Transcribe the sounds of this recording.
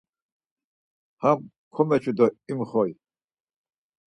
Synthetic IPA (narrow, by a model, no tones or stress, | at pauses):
ham | kʰɔmɛt͡ʃʰud̪ɔimχɔj